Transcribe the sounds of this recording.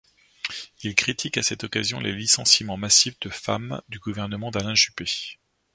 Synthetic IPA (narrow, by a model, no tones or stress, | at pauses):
ilkχit̪ʰikasɛt̪ɔkazjɔ̃lʔelisɑ̃simɑ̃masifd̪əfa̰md̪yɡuvɛʁnəmɑ̃d̪alɛ̃ʒype